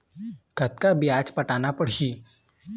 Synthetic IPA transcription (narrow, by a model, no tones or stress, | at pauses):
kɐt̪kabijaːd͡ʒpɐʈaːnapɐɽ̤iː